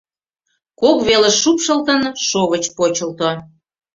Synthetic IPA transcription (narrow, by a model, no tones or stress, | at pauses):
kokβeleʃupʃəlt̪ənʃoβət͡ɕpot͡ɕəlt̪o